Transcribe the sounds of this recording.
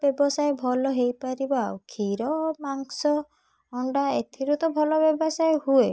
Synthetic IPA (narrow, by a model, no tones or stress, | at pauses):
bjɔbɔsajbʱɔlɔɦejpaɾibawkʰiɾɔmaŋsɔ | ɔɳɖaet̪ʰiɾut̪ɔbʱɔlɔbɔbɔsajhue